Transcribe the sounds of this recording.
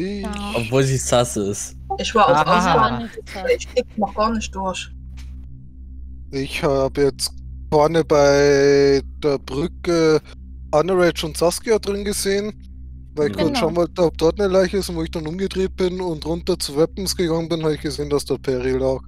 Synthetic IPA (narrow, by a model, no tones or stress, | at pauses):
ɪɔpvoːldiːsasəɪs | ɪçv̥aːɐazaʊsasɐɪçkenɔχɡ̥aːɐnɪçt̚d̥ʊɐç | ʔɪçhaaːbəjɛt͡sfɔɐnəbaɪd̥eːɐbʁʏkə | ʔanəʁɛɪt͡ʃʊnt͡saskiadʁɪnɡəzeːən | vaɪɪçkʰʊʃaʊnvɔltəɔp̚d̥ɔɐtnəlaɪçəɪsvoːɪçd̥anʔʊmɡədʁeːt̚b̥ɪnʊntʁʊntɐt͡suvɛpn̩sɡ̥əɡaŋənbɪnhaːbɪçɡ̥əzeːndasd̥ɐpʰɛʁilaːk